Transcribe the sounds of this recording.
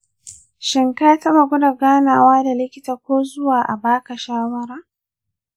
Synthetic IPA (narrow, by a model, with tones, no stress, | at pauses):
ʃɪ˨ŋkaː˦tɐ˦ba˨ɡʷʊ˦da˨ɡaː˦naː˨waː˦da˨lɪ˦kʲɪ˦taː˨kʷoː˦zʊ˦waː˨ʔa˨baː˦ka˨ʃaː˦wɐ˦ɾaː˨